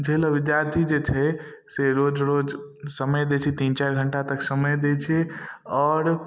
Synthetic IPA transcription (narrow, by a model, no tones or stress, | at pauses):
d͡ʒʱeləʋid̪jaɾt̪ʰid͡ʒet͡ʃʰɛseɾod͡ʒɾod͡ʒsəməjd̪et͡ʃʰit̪int͡ʃaɾɡʱəɳʈat̪əksəməjd̪et͡ʃʰeɔːɾ